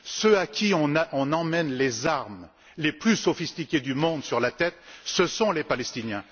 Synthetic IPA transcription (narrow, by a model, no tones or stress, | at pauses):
søakʲiɔ̃naɔ̃nɑ̃mɛnlezaʁm | leplysɔfist̪ikʲed̪ymɔ̃d̪syʁlat̪ɛt̪səsɔ̃lepalɛst̪injɛ̃